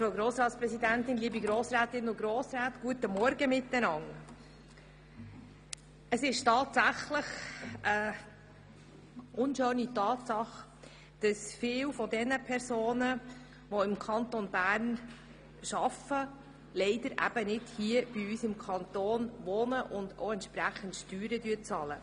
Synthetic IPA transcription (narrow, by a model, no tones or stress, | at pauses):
fɾoʊɡɾoːsɾɑːt̪spɾɛsid̪æntɪnliːbiɡɾoːsɾæːtɪnʊɡɾoːsɾæːtɡ̥uətəmɔɾɡəmɪt̪ːənɑŋ | əsɪʃtɑːt̪sæχləχə | ʔʊnʃøːnitɑːt̪sɑχ | d̥ɑsfɪːwfɔdɛnəpʰɛɾsoːnə | ʋɔɪmkʰɑnt̪onbæːɾn | ʃɑfə | lɛɪdəɾʔæ̰b̥ənɪd̥hiəb̥iysɪmkʰɑnt̪oːnʋoːnəʔʊndo̰ʊɛnt̪ʃpɾæχən̩tʃtyːɾədyːɾt͡sɑlə